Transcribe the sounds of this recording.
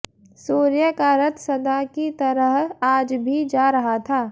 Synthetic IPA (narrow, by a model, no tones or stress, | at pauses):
suːɾjəkaːɾət̪sɐd̪akit̪ɐɾəɦaːd͡ʒbʱid͡ʒaːɾɐɦat̪ʰaː